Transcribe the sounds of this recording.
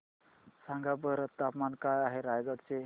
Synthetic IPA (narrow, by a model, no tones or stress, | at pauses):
sãŋɡabəɾt̪apmankajaɦeɾajɡəkt͡se